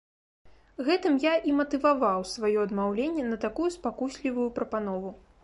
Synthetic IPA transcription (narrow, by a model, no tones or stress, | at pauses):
ɣɛt̪ɨmjaʔimɐt̪ɨvavawsvajɔɐd̪mawlʲenʲːɛnɐt̪akujuspakusʲlʲivujupɾɐpanɔvu